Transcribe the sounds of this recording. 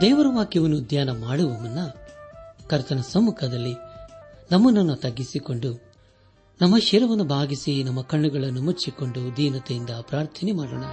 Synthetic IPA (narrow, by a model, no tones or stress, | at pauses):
d̪ɛːʋɐɾɐʋaːkiʋɐnːud̪jaːnɐmaːɽuʋɐmɐnːɐ | kɐɾt̪ɐnɐsɐmːukʰɐd̪ɐlːi | nɐmːɐnːɐnːɐt̪ɐɡːisiko̞ɳɖu | nɐmːɐʃiɾɐʋɐnːubʱaːɡisinɐmːɐkɐɳːuɡɐɭɐnːumut͡ʃːiko̞ɳɖud̪iːnɐt̪ejind̪ɐpɾaːɾt̪ʰɐnimaːɽɐɳɐ